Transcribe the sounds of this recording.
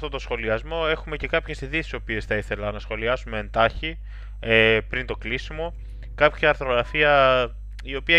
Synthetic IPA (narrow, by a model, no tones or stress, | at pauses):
t̪ot̪osxo̞liɐzmo̞e̞xume̞ce̞kɐpçe̞siðisi̥so̞pie̞sθɐiθe̞lɐnɐsxo̞liɐsumeend̪ɐçi | epɾint̪o̞klisimo̞ | kɐpçiɐɾθo̞ɣɾɐfiɐ | io̞piɐ